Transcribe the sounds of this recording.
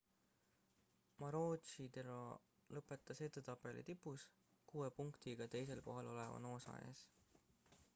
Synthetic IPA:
mɑɾoːt̪t͡ʃit̪eɾo̰ | lɤpːˑe̞t̪ːˑɑset̪ːˑut̪ɑpːˑe̞lḭt̪ipːˑus | kuːe̞puŋkt̪iɡ̥ɑt̪e̞js̬e̞lko̞ɦɑlo̞le̞vɑ̰no̞ːsɑ̰ḛs

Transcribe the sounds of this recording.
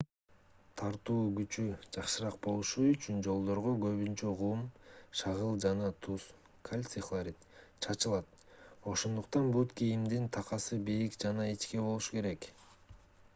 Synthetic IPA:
t̪ʰɑɾt̪uːɡyt͡ʃyd͡ʒɑqʃɯɾɑq̚bo̞lˠuʃuyt͡ʃynd͡ʒo̞lˠd̪o̞ɾʁoɡø̞βynt͡ʃøʁumʃɑʁɯlˠd͡ʒɑnɑt̪ʰus | kʰalʲt̪siχlˠaɾʲit̪t͡ʃʰɑt͡ʃɯlˠɑt̪̚ | o̞ʃo̞nd̪uqt̪ɑnbukijimd̪int̪ʰɑqɑsɯbiɾikd͡ʒɑnɑit͡ʃke̞bo̞lˠuʃu̥ke̞ɾe̞k

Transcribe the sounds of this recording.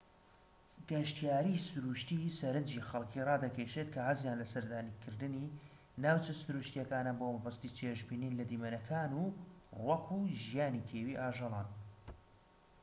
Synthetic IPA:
ɡɐʃt̪ijaːɾisʊɾuʃt̪isɐɾɨnd͡ʒixɐlˠkʰiːrɑːd̪ɐkʰeʃet̪kʰɐhazjaːnlɐsɐɾd̪aːnikʰɨɾd̪ɨni | naːwt͡ʃɐsuɾuːʃt̪ijɐkaːnaːnbomɐbɐst̪it͡ʃʰeʒbiːniːnlɐd̪iːmɐnɐkʰaːnuwɐkʰuʒijaːnikʰeːwiːʔaːʒɑlˠɑːn

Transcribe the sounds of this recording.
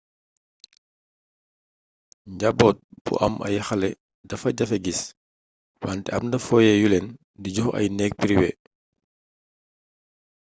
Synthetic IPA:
ɲɟabɔːt̚b̥ṵʔɐ̰mʔɐ̰jɐxɐlɛ | dɐfɐɟɐfɛɡis | wantɛɐmndɐfɔːjɛjulɛn | diɟɔxɐ̰jnɛk̚piɾiwɛ

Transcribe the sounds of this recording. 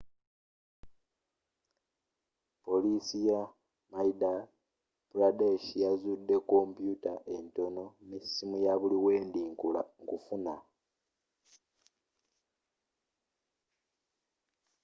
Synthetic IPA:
po̞lisija | maida | buɾadeʃijazudːe̞ko̞mpjutaʔe̞nto̞no̞misːimujaβuliwe̞ːndiːŋkula̰ŋkufuna

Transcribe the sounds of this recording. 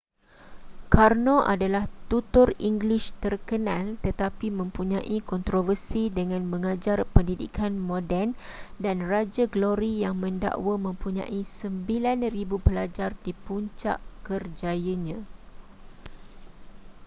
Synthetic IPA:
karnõʔa̰dalaht̪ut̪ʊriŋɡliʃt̪ərkənãlt̪ət̪apimə̃mpuɲãʔikɔnt̪ɾovərsidəŋãnmə̃ŋad͡ʒarpəndidḭkʰanmõdɛn | danrad͡ʒaɡloɾijaŋmə̃nda̰ʔwamə̃mpuɲã̰ʔisəmbilanribupəlad͡ʒardipuɲt͡ʃa̰ʔkərd͡ʒajəɲã

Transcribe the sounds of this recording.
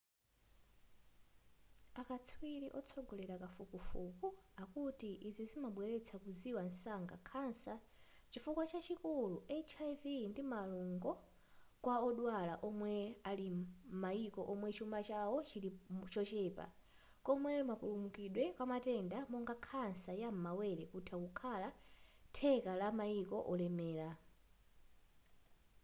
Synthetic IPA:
akat͡sʰwiɾiʔɔt͡sʰɔɡɔlɛɾakafukufukuakutiʔizizimaɓwɛɾɛt͡sʰakuziwan̩saŋɡa̰kʰansa | t͡ʃifukwat͡ʃat͡ʃikuluʔɛt͡ʃʰajvindimaluŋɡɔ | kwaɔɗwalaʔɔmwɛalimaikɔʔɔmwɛt͡ʃumat͡ʃawɔt͡ʃiɾit͡ʃɔt͡ʃɛːpa̰ | kɔmwɛmapulumukiɗwɛkwamatɛndamɔŋɡakʰansajam̩mawɛɾɛkutʰakukʰalatʰɛkalamaikɔʔɔlɛmɛːla

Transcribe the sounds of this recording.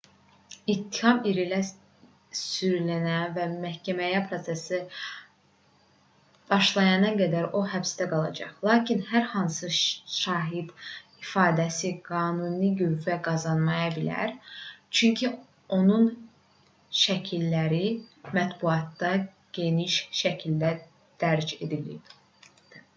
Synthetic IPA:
it̪ʰːihɑmiɾilæ | syɾlænævæmæhcʰæmæjæpʰɾo̞t̪sesi | b̥ɑʃlˠɑjɑnɑɡæd̪æɾo̞ɦæbst̪æɡɑlˠɑ̰d͡ʒɑ̰χlˠɑːcʰinhæɾhɑnsɯʃɑːɦid̪ifɑːd̪æsiɡ̥ɑːnuniɡøvæɡɑzɑnmɑjɑbilæ̰ɾt͡ʃʰyɲcʰi | o̞nun | ʃæcʰilːæɾimæt̪buɑt̪ːɑ | ɟ̥e̞niʃʃæcʰild̪æ | d̪̥æɾd͡ʒe̞d̪ilḭb̪

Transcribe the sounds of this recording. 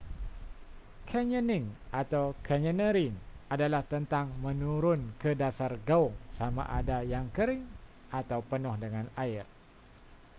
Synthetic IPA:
kʰɛɲənɪŋʔat̪awkʰɛɲə̃nəɾinadalaht̪ənt̪aŋmə̃nuɾʊnkədasarɡaʊŋsamã̰ʔa̰dajaŋkəɾɪŋ | ʔat̪awpənʊhdəŋãnaɪr

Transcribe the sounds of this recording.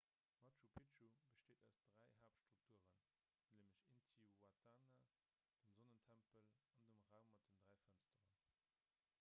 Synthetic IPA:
mɑtt͡ʃupʰet͡ʃubəʃteːdæʊsd̥ʁæɪɦaːpʃtʁ̥uk̚tʰuəʁən | leːməɕintʰiwatʰaːna | d̥əmzonəntʰæmpəlɑndəmʁaʊmːɑt̚d̥əndʁæɪfænstəʁən

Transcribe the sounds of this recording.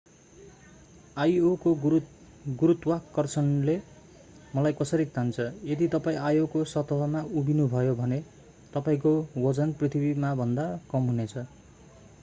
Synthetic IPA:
ajoko | ɡuɾut̪wakːʌrt͡sʰʌnle | mʌlajkʌsʌɾit̪ant͡sʰʌjed̪it̪ʌpaĩajokosʌt̪ʌɦʌmaubinubʱʌjobʱʌne | t̪ʌpaĩkowʌd͡zʌnprit̪ʰibimabʱʌnd̪akʌmɦunet͡sʰʌ

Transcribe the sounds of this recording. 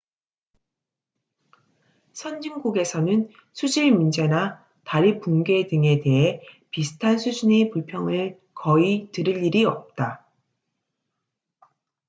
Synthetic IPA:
sʰʌnd͡ʑiŋɡuɡe̞sʰʌnɯn | sʰud͡ʑiɭmind͡ʑe̞na | taɾipuŋɡe̞dɯŋe̞te̞ɦe̞ | pisʰɯ̥tʰansʰud͡ʑine̞puɭpʰjʌŋɯɭ | kʌitɯɾɯʎːiɾiʌp̚t͈a

